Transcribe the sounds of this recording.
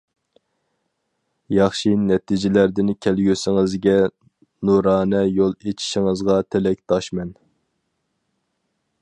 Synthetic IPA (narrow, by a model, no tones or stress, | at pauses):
jɑχʃinɛt̪ʰid͡ʒɪlæɾd̪ɪnkʲʰælɡʲøsɪŋɨzɡʲɛ | nuɾɑːnɛjolˠet͡ʃʰi̥ʃiŋɨzʁɑt̪ʰɪlɛk̚ʲt̪ʰɑʃmɛn